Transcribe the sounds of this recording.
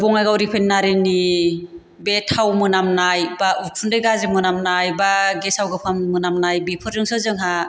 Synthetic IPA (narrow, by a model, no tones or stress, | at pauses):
bɔŋajɡawɾipʰenːaɾini | betʰawmɯnamnajbaʔupʰundɯjɡazɯmɯnamnajbaɡesawɡɯpʰammɯnamnajbipʰɯɾɯŋsɯzɯŋɦa